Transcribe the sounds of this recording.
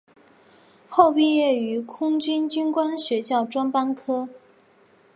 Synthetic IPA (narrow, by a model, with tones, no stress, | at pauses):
xo˥˧ʊpi˥˧jɛ˥˩y˧˥kʰʊ˥ŋt͡ɕy˥nt͡ɕy˥nkwa˥nɕɥɛ˧˥ɕjɑ˥˩ʊʈ͡ʂwa˥npa˥nkʰɤ˥